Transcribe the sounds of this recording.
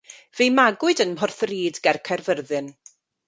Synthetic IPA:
vejmaɡʊɨdənmɦɔrθriːdɡɛrkʰɛrvərðɨn

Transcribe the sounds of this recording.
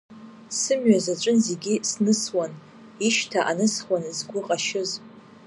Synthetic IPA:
sɨmɥazat͡ʃʷʼʊnze̞ɡʲisnɨswan | iʃtʰaʔanɨsχwanzɡʷʊqʼaʃɪz

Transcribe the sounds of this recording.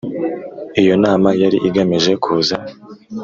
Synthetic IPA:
ijo̞naːmajaɾiʔiɡameʒe̞kʰuːza

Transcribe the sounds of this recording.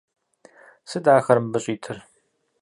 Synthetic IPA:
sɨdaːxɐɾmbɨɕʼiːtʰɨr

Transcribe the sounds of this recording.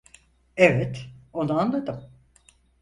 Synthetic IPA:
evɛt̪o̞nuanlˠad̪ɯm

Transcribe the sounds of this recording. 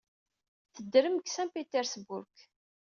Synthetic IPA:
θəd̪ːɾəmksæmpet̪ɛɾsbʊɾk

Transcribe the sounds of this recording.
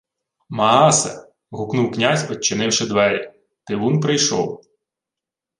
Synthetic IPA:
mɐɑsɐ̰ | ɦʊknuwknʲazʲpɐt͡ʃːɪnɪwʃed̪ʋɛɾʲḭ | t̪ɪʋunpɾɪjʃɔw

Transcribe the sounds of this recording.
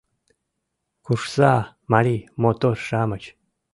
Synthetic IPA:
kʰuʂsaː | maɾimot̪orʂaːmɐt͡ʃʰ

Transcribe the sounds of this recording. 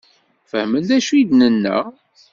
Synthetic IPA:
fəhmənd̪æʃujd̪nənːæ̰

